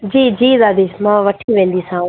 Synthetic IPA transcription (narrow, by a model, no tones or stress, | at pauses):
d͡ʑiːd͡ʑiːd̪aːd̪iːmãːʋɐʈʰiʋẽːn̆d̪isãː